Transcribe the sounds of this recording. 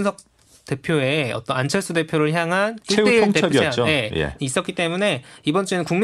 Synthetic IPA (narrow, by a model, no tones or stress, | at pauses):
nsʰʌk̚ | t͈e̞pʰjoe̞ʌt͈ʌnant͡ɕʰʌɭs͈ʰude̞pʰjoɾɯɭçjaŋɦanʰt͡ɕieoŋteaoje̞jḛis͈ʌtk͈it͈e̞mune̞ibʌnt͡ɕ͈uenɯnkuŋm